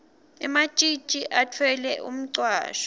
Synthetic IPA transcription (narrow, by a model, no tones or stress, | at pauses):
ɛmḁt͡ʃʼi̥t͡ʃʼiʔatʰwɛlɛʔṵm̩ǀwa̰ːʃɔ̥